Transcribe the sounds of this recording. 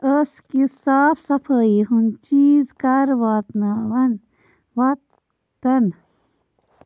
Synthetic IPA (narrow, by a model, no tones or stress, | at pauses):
əskisaːpʰsɐpʰəːiɦunt͡ʃiːzkɐɾʋaːt̪naʋɐn | ʋɐt̪ | t̪ɐn